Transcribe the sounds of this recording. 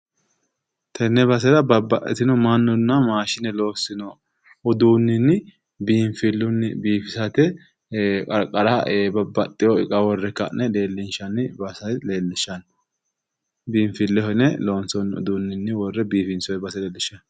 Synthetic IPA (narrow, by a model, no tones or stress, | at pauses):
t̪ʰɛnːɛbɐs̬ɛɾɐbɐbːɐʔɛ̰t̪ɪnɔmanːɔnːɐmaːʃɪnɛloːsɪnɔ | ɔd̪uːnːɪnːɪ | biːɱfɪlːʊnːɪbiːfɪsɐt̪ɛ | kʼɐɾkʼːɐɾaʔebɐbːɐt̪ʼːɪjɔɪkʼɐwɔrːɛkːɐnɛle̞ːlːɪnʃɐnɪbɐsɐjle̞ːlːɪʃːɐn | biːɱfɪlːɛhɔnɛloːnsɔnʊ̰d̪uːnːɪnːɪwɔrːɛbiːfɪnsɔɛbɐsɛleːlːɪʃːɐn